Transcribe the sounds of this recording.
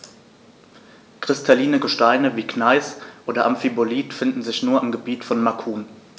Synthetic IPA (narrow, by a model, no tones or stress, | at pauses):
kʁ̥ɪstʰaliːnəɡəʃtaɪnəviːknaɪsʔoːdɐʔamfiboliːtfɪndn̩zɪçnuːɐɪmɡəbiːtfɔnmakʰuːn